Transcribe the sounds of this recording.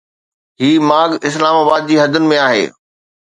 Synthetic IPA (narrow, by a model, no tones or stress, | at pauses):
ɦiːmaːɡɪslaːmaːbaːd̪̚d͡ʑiːɦɐd̪ʱʊnɪ̆mẽaːɦḛː